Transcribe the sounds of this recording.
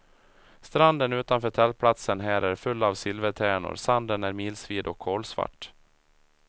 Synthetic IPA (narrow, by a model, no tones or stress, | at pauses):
st̪ɾand̪ənʉ̟ːt̪anfœːʈʰɛlpʰlat̪sənɦæːɾʔæɾfɵlːavsɪlvət̪ʰæːɳʊ̰ɾsand̪ənæɾmiːlsviːd̪ɔkʰːoːlsva̰ʈː